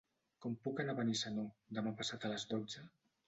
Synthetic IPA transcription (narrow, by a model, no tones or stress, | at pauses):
kɔmpukənaβənisanod̪əmapasat̪ələzdozə